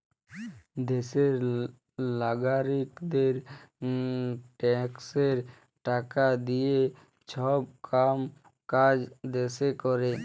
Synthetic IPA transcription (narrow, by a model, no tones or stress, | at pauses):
d̪eseɾ | laɡaɾikd̪eɾ | ʈɛkseɾ | ʈakad̪ije | t͡ʃʰɔb̚kam | kad͡ʒd̪esekɔɾe